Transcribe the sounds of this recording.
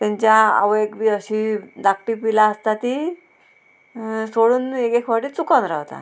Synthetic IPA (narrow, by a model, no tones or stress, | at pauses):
t̪ãɲt͡ɕjaa̰ʋekbiəɕid̪akʈipilaəst̪at̪i | soɽuːnekekʰʋaʈit͡sukanɾawt̪a̰